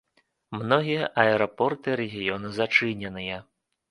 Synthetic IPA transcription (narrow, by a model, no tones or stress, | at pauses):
mnɔɦʲiʔɐɛɾɔpɔrt̪ɪɾeɦʲijɔnʊzɐt͡ʃɪnʲenɪjɐ